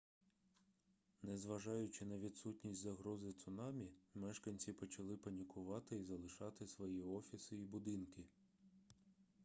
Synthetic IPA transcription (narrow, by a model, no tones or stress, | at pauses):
nɛzʋɐʒɑjʊt͡ʃɪnɐʋʲid̪sutʲnʲisʲtʲzɐɦɾɔzɪt̪sʊnɑmʲimɛʃkɐnʲt͡sʲipɔt͡ʃɐlˠɪpɐnʲikʰʊʋɑt̪ɪizɐlˠɪʃɑt̪ɪsʋɔjiɔfʲisɪibʊd̪ɪnkɪ